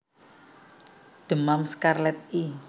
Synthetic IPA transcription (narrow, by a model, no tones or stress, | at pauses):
ɖ̪̥ə̤mamskarlɛt̪̚i